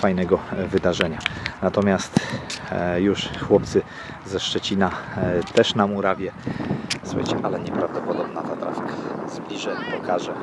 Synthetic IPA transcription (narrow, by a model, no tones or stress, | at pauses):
fajnɛɡɔvɘd̪aʐɛɲanat̪ɔmʲjast̪ | juʂxwɔp̚t̪sɘ | zɛʂt͡ʂɛt͡ɕinat̪ɛʂnamuɾavʲjɛ | swa̰jt͡ɕɛʔalɛɲɛpɾavd̪ɔpɔd̪ɔbnat̪at̪ɾa̰fʲikazblʲiʐɛpɔkʰaʐɛ